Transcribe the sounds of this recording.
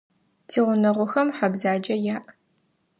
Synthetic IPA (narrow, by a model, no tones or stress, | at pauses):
tʰiːʁʷʊnɐʁʷʊxɐmħɐbzaːd͡ʒɐjaːʔ